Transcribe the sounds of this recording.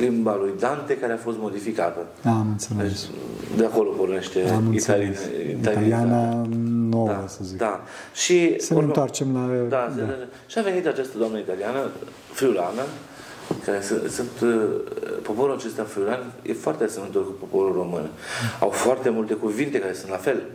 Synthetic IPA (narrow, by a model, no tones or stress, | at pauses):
limbalujd̪ant̪e̞kaɾe̞afo̞st̪mo̞d̪ifikat̪ə | amɨnt̪sensd̪eako̞lo̞po̞rne̞ʃt̪e̞mialḭalaliananod̪awəsəzid̪a | ʃisəent̪oart͡ʃemlad̪as | ʃiave̞nit̪at͡ʃast̪əd̪oamnəit̪alianə | fɾiulanə | kaɾe̞sɨsunt̪ | po̞po̞ɾulat͡ʃe̞st̪afɾiulanjḛfoart̪easemənt̪oɾkupo̞po̞ɾuro̞mɨn | a̰wfoart̪e̞mult̪e̞kuvint̪e̞kaɾe̞sunt̪lafe̞l